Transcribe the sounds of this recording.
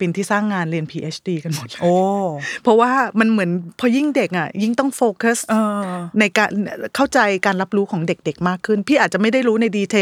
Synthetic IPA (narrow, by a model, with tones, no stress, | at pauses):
pe˧nt̪ʰiː˥˩saː˥˩ŋːaː˧nɾi˧ənpʰiː˧ʔeː˦˥t͡ɕʰdiː˧ka˧nmo˨˩t̪̚loː˧˩pʰɔ˦˥waː˥˩ma˧nmɯ˩˦ənpʰɔː˧ji˥˩ŋde˨˩k̚ʔa˨˩ji˥˩ŋt̪ɔ˥˩ŋfoː˧ka˦˥səː˧na˧jkaː˧nkʰa˥˩wt͡ɕa˧jkaː˧nɾa˦˥p̚ɾuː˦˥kʰɔː˩˦ŋde˨˩k̚de˨˩k̚maː˥˩kʰːɯ˥˩npʰiː˥˩ʔaː˨˩t̪̚t͡ɕa˨˩ma˥˩jda˥˩jɾuː˦˥na˧jdiː˧t͡ɕ̪ʰe˧